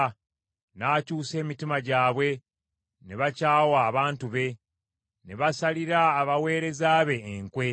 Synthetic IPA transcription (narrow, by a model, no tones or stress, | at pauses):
naːcuːse̞ːmitimaɟaːβwe̞ | neβacaːwaːβaːntuβe̞ | neβasaliɾaːβawe̞ːɾe̞zaːβe̞ːŋkwe̞